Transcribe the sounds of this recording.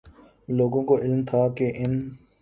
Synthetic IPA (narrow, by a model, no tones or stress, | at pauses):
loːɡõkoʔɪlmt̪ʰaːkeʔɪn